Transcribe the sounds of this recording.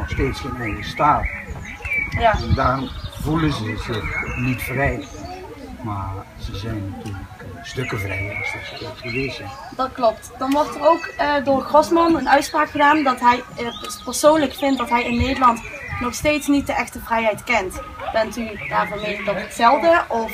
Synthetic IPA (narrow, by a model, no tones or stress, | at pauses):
ɔχsteːtsətmedəstaːl | jaɛndavulənzəzɪnitfrɛj | maːr | z̥əzɛjnːatyːləkkstɵkəvrɛjɑ̰lˠsətsətɛtχəʋeːzən | d̥ɑtklɔptd̥ɑnʋɔɹtərowkədʊːrχrɔsmɑnənœɥtspraːkχədaːndɑtɦɛjpəɹsownləkfɪnt̚dɑtɦɛjɪnːejdəlɑnt | nɔxsteːtsnit̚dəʔɛxtəvrɛjɦɛjtkɛnt | b̥ɛntydaːɹvɔnʋejndɑtətsɛlˠdəʔɔf